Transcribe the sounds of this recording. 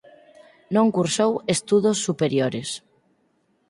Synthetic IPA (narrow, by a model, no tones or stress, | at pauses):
nõŋkuɾsowest̪uðosːupeɾjoɾes